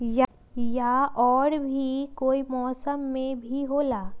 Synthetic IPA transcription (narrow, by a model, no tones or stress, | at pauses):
ja | jaʔɔːɾbʱikoːimɔːsəmːẽbʱiɦoːlaː